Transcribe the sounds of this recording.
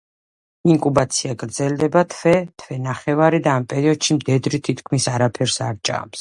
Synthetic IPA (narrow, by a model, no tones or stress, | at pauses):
iŋkʼubat̪sʰiaɡɾd̪zɛld̪ɛbat̪ʰwɛt̪ʰvɛnaχɛvaɾid̪aːmpʼɛɾiɔd̪̥ʃimd̪ɛd̪ɾit̪ʰit̪ʰkʰmisaɾapʰɛɾsaɾt͡ʃʼa̰ms